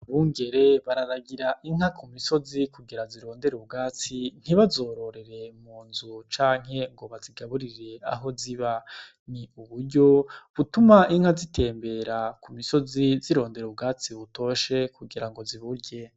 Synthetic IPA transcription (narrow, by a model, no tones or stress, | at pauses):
βuːŋɡe̞ɾe̞βaɾaɾaɡiɾaʔiŋ̥hakʰumiso̞zikʰuɡiɾaziɾo̞ːnde̞ɾub̚ɡaːt͡sin̥hiβazo̞ːɾo̞ɾe̞ɾe̞muːnzut͡ʃaːŋ̥ɦe̞ŋɡo̞βaziɡaβuɾiɾe̞a̰ɦo̞ziβa | niuβuɾɟo̞βutumaʔiŋ̥hazite̞ːmbe̞ɾakumiso̞ziziɾo̞ːnde̞ɾub̚ɡaːt͡siβuto̞ʃe̞kʰuɡiɾaŋɡoziβuɾɟe̞